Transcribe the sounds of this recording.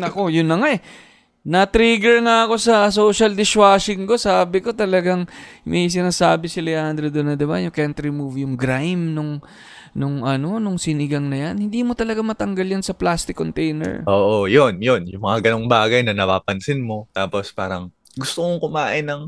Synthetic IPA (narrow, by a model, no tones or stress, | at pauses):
ɐko̞jʊnːɐŋaʔɛ | nɐt̪ɾiɡɛɹŋɐɐko̞sɐso̞ʃɐld̪ɪʃwaːʃɪŋko̞saːbɪko̞t̪ɐlɐɡaŋmʔɐjs̬ɪnaːsaːbɪsɪlɛhand̪ɾod̪onɐd̪ɪbajʊŋkɛnt̪ɾɪmuvjʊŋɡɾajmnʊŋ | nʊŋɐnonʊŋsɪnɪɡɐŋnɐjanhɪnd̪iːmo̞t̪ɐlɐɡamɐt̪ɐŋɡaljansɐplast̪ɪkːont̪ɛjnɛ̰ɹʔoːʔojonjonjʊŋmɐŋaɡɐnoŋbaːɡɐjnɐnɐpaːpɐnsɪnmo̞t̪aːpo̞spaːɾɐŋ | ɡʊst̪omokʊmaːʔɪnɐŋ